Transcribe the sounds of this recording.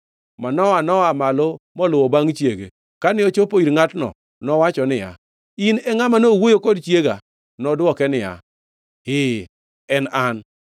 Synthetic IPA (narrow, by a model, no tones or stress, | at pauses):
manɔwanɔamalomɔlʊwɔbaŋt͡ʃjeɡḛ | kanɪot͡ʃopoiɾŋatnɔ̰ | nɔwat͡ʃɔnɪja̰ | inɛŋamanowojokɔdt͡ʃjeɡa | nɔdwɔkɛnɪja̰ | hɪ | ɛnan